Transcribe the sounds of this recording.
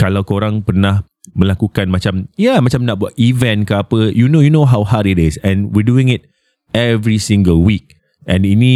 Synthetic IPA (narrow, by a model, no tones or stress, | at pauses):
kalawkoɾãŋpərnah | mə̃lakukanmat͡ʃamjamat͡ʃamnaʔ̚buat̚ivɛ̃nkəapəjunojunoɦawɦaɾitɪsɛ̃nwiduĩŋɪt̚ | ɛvɾisĩŋɡəlwik̚ | ʔɛ̃ninĩ